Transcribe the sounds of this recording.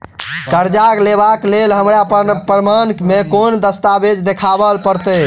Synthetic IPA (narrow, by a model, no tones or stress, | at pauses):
kəɾd͡ʒaklebaklelɦəmɾappɾɾəmankmekond̪əst̪abed͡ʒd̪ekʰabəlpəɾt̪ɛ